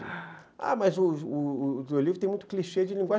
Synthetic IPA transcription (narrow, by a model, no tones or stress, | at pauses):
a̰mɐzʊː | d͡ʒolivɾt̪ẽmũt̪ʊ̥kliʃed͡ʒɪlĩŋɡwa